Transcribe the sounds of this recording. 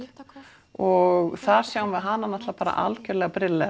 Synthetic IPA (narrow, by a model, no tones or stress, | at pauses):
ɔɣθaɾ̥sjaːwmvɪðɦanːanaht̪lapaːɾa̰ʔa̰lcœɾlɛɣapɾɪlɛ